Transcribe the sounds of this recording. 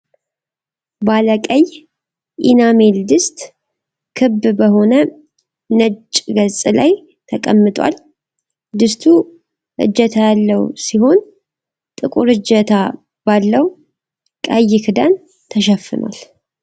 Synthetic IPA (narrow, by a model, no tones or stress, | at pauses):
baləkʼəj | ʔḭname̞ld̪ɨst̪ʼ | kʰɨbːbəho̞nə | nət͡ʃʼɡəzʼlaj | t̪ʰəkʼəmːɨt̪ʼwa̰l | d̪ɨst̪ʰu | ʔɨ̰d͡ʒːət̪ʰajalːəwsiɦo̞n | t̪ʼɨkʼuɾɨd͡ʒət̪ʰa | b̥alːəw | kʼajːɪkʰɨd̪an | t̪ʰəʃɛfːɨ̰na̰l